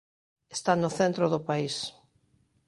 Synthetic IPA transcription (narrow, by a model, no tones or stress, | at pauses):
est̪anʊθent̪ɾʊðʊpais